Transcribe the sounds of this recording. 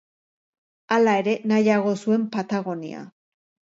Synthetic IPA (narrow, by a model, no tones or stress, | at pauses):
alae̞ɾe̞najaɣ̞o̞sue̞mpat̪aɣ̞o̞nḭa̰